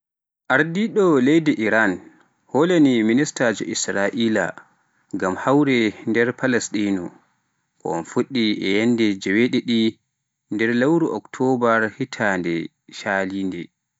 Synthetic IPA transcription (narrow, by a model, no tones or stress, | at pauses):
ʔaɾdiɗɔlɛjdɛʔiɾan | holaniministad͡ʒɔ̰ʔisɾaʔiːla̰ | ɡamhawɾɛndɛɾpalɛstinu | kɔ̰ɔ̰nfuɗːiʔɛjɛnːdɛd͡ʒɛweɗiɗi | ndɛɾlawɾuʔɔktʰɔbaɾhitʰandɛ̰ | ʃaːliːndɛ